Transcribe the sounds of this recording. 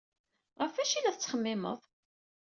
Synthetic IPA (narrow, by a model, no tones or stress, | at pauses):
ʁəfæʃilæθət͡sːχəmːɪmə̰ðˤ